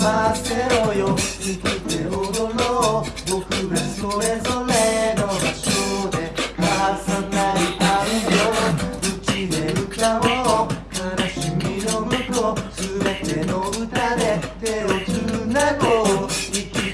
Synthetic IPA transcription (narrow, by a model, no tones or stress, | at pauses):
mase̞ojoikit̪eɦod̪onobokɯ̟ɡasoɾe̞zo̞ɾenoɕod̪e̞kasanaiʔaɯjoɯ̟kid̪e̞ɯ̟t̪aok̪anoɕimʲino̞mɯt̪osɨbe̞t̪e̞no̞ɯ̟t̪ad̪e̞t̪e̞okɯnaɡoiki